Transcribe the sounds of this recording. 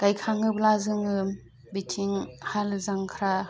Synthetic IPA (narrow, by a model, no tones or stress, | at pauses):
kajkʰaŋɯblazɯŋɯ | bitʰiŋhalɯzaŋkʰɾa